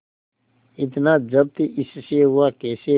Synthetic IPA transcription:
ɪt̪nad͡ʒəb̚t̪iʔɪsʃeɦʊakeːse

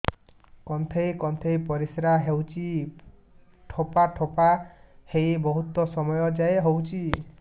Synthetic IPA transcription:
kɔnt̪ʰejkɔnt̪ʰejpɔɾisɾaɦewt͡ʃʰi | ʈʰopaʈʰopahejbɔɦut̪ɔsɔmɔjɔd͡ʒaeɦowt͡ʃʰi

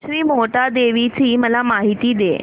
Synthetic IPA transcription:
ɾiːmoʈad̪eʋit͡ɕiːməlamaɦit̪id̪ḛ

